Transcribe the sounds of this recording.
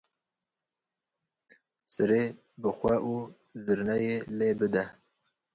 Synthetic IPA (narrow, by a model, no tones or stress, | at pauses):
sɨɾe | bɨxʷɛʔu | zɨɾnɛjeleːbɨd̪ɛ